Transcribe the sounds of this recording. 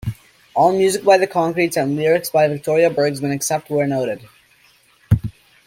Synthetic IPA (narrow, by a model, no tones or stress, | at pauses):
ɔlˠmjʉzɨk̚b̥aɪðɨkʰɑ̃ŋkɹitsə̃nlɪɹɨksb̥aɪvɨk̚tʰɔɹiɨbɜ˞ɡzwɨ̃nɨksɛp̚t̚wə˞noʊɾɨd̥